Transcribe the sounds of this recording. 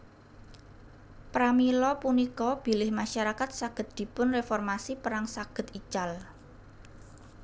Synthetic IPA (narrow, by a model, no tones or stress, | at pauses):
pɾamilɔpunikɔb̥i̤lɪhmaʃaɾakat̪̚saɡ̥ə̤t̪̚d̪̥i̤pʊnrefɔrmasipəɾaŋsaɡ̥ə̤t̪it͡ʃal